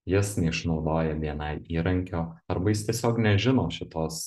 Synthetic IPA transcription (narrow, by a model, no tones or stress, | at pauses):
jɪsnʲɛɪʃnɒʊd̪oːjɛʋʲiɛnɐɪiːɾɐŋʲkʲoːɐɾbɐjɪst̪ʲiɛsʲoːknʲɛʒʲɪnoːʃʲɪt̪oːs